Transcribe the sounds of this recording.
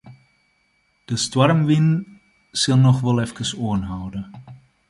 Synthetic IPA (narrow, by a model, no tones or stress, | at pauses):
d̥əstwarmʋɪn | sɪlˠnɔχʋɛlˠɛfkəsoənɦɔwdə